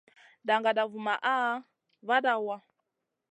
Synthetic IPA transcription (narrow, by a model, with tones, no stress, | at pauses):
da˨ŋɡa˨da˨vu˨ma˨ʔa˦ | βa˦da˦˨wa˦